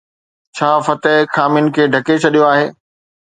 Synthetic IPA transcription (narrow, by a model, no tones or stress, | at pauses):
t͡ɕʰaːfɐt̪əɦxaːmɪnɪ̆kʰeːɖʱɐket͡ɕʰɐɗijoaːɦeː